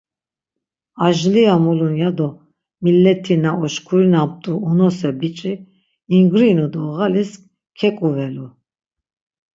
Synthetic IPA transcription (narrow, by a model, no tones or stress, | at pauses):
aʒliamulunjad̪ɔ | milːɛt̪ʰinaɔʃkʰuɾinap̚t̪ʼuːnɔsɛbit͡ʃʼiː | ŋɡɾinud̪ɔɣalisk | kʰɛkʼuvɛlu